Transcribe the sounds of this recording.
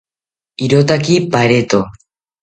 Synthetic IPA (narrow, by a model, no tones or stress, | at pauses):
iɾot̪akipaɾet̪o